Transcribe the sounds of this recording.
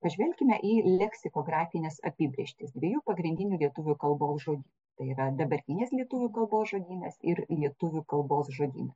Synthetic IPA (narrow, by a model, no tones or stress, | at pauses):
pɐʒʲʋʲɛlʲkʲɪmʲɛʔiːlʲɛksʲɪkoːɡɾɑːfʲɪnʲɛsɐ̰pʲiːbʲɾʲɛʃʲt̪ʲɪsd̪ʲʋʲiɛjuːpɐɡɾʲɪnʲd̪ʲɪnʲuːlʲiɛt̪ʊʋʲʊkɐlˠboːsʒoːd̪ʲiːnt̪ɐɪiːɾɐd̪ɐbɐɾʲt̪ʲɪnʲeːslʲiɛt̪ʊʋʲʊkɐlˠboːsʒoːd̪ʲiːnʲɐsɪɾlʲiɛt̪ʊʋʲʊkɐlˠboːsʒoːd̪ʲḭːnɐs